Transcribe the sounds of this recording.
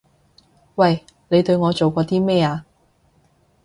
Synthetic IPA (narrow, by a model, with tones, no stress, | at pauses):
wɐ˨j | ne˨˧jt̪ɵ˧ɥŋɔː˨˧t͡so˨wkʷɔː˨˧t̪iː˥mɛː˥aː˧